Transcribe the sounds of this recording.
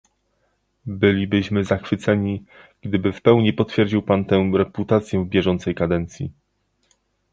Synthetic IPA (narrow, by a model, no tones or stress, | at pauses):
bɘlʲibɘɕmɘzaxfɘt̪sɛɲi | ɡ̥d̪ɘbɘfpɛwɲipɔt̪fʲjɛɾd͡ʑiwpant̪ɛɾɛput̪at̪sʲjɛvbʲjɛʐɔnt̪sɛjkad̪ɛnt̪sʲji